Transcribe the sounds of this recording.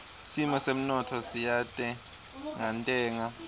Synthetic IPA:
simɔsem̩nɔtʰɔsijatʼɛ | ŋantʼɛːŋa

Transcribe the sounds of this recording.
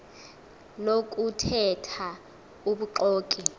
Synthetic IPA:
nok̬ʼutʰɛtʰa | uɓuǃɔːkʼi

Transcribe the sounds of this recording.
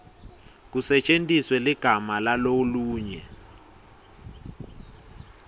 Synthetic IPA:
k̬usɛt͡ʃʼentʼiswɛliɡ̥ʱamalaloluːɲɛ

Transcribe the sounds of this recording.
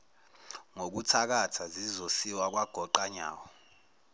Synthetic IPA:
ŋok̬utʰak̬atʰazizosiwak̬waɡ̥ʱɔǃaɲa̰ːwɔ

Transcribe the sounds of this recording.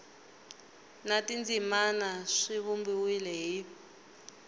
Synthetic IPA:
natind͡zimanaʂiβumbiwilɛɦi

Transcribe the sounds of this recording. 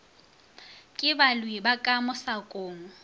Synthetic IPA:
kʼɪbalwibakʼamʊsakʼoːŋɔ

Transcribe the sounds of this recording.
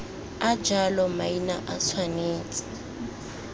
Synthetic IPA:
ad͡ʒalɔmainaʔasʰwaneːt͡sʼḁ

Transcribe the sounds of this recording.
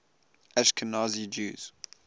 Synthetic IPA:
ʔɛʃkʰənazid͡ʒṵːz̥

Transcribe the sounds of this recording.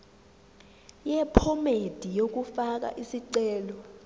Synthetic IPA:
jɛpʰɔmed̥ʱijok̬ufak̬a̰ʔisiǀɛːlɔ

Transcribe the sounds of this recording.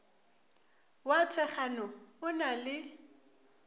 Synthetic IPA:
watʰɛχanɔʊnalɪ

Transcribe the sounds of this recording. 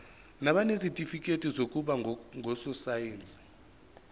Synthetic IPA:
naɓanezitʼifikʼetʼizok̬ʼuɓaŋɡʱɔsɔsajeːnt͡sʼi̥

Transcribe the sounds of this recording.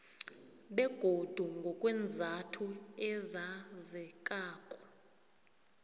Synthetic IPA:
ɓɛɡ̥ʱod̥ʱuŋɡʱɔkʼwɛnd͡zʱatʰuɛzazɛkʼaːkʼɔ̥

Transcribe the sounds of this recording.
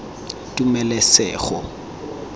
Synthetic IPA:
tʼumɛlɛsɛːχɔ̰

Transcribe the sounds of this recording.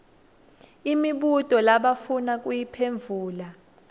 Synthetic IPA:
imiɓutʼɔlaɓafunakʼujipʰeɱvʱuːla

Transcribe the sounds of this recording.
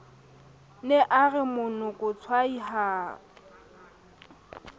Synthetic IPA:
nɛʔaɣɪmʊnʊkʼʊt͡sʰwaiɦa

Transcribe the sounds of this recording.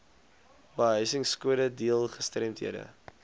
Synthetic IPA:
bəɦœɥsəŋskuəɾədiəlˠχəstrɛmtɦḭədə̰

